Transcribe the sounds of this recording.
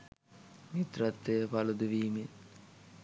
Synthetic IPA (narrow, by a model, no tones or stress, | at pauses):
mit̪rɐt̪ːejəpalud̪uʋiːmin